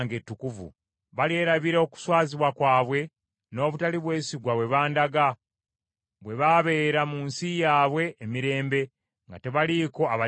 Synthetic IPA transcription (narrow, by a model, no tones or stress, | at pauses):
ŋɡe̞tːukuvṵ | βalie̞ːɾaβiɾeoku̥swaːziβwakwaːβwe̞ | no̞ːβutaliβwe̞ːsiɡwaβwe̞βaːndaɡa | βwe̞βaβe̞ːɾamuːnsijaːβwe̞ːmiɾe̞ːmbe̞ | ŋɡate̞βaliko̞aβa